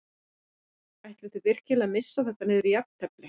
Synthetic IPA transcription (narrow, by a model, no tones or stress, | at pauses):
ajht̪lat̪ɪvɪr̥cɪlaðmɪsːaθɛht̪anɪːðʏɾijap̚n̥t̪ʰɛplɪ